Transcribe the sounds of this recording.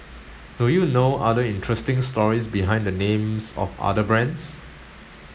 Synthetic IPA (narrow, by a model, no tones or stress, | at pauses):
dujunoʔa̰dəĩntʰɹɛstɪ̃ŋstɔɹisbiɦãɪ̃ndənẽmsɔ̰fa̰dəbɹɛ̃ns